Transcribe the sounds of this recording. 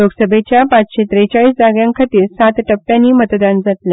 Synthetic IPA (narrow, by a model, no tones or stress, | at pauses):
loɡsəbʱet͡ɕjapat͡sɕet̪ɾet͡ɕaɭiːsd͡zaɡjãŋkʰət̪iːɾsat̪ʈəpʈjãnːiːmət̪d̪and͡zat̪la